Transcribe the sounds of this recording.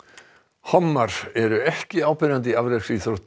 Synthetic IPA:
hɔmːaɾ̥ɛɾʏɛhcɪaːwpɪɾant̪ɪavɾesiθɾoht̪

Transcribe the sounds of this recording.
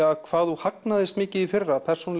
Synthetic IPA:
akʰvaːðuhaknaðɪst̪mɪːcɪðifɪrːapʰɛr̥sunal

